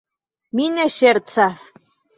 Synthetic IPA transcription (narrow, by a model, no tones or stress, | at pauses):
mineɕeɾt͡saθ